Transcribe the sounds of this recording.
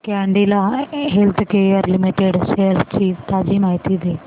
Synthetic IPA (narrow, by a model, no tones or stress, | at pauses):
kɛ̃ːɳɖilaɦelt̪ʰkeʋəɾlɪmiʈeɖseːlst͡ʃiːt̪aːd͡ʒiːmaːɦit̪iːd̪eː